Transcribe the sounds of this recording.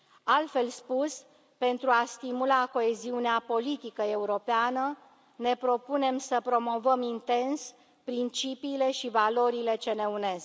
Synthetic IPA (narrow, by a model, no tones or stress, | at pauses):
alt̪fe̞lspus | pe̞nt̪ɾuast̪imulako̞e̞ziuneapo̞lit̪ikəe̞uɾo̞peanə | ne̞pɾo̞pune̞msəpɾo̞mo̞vəmint̪e̞ns | pɾint͡ʃipiːle̞ʃivalo̞ɾile̞t͡ʃe̞ne̞une̞z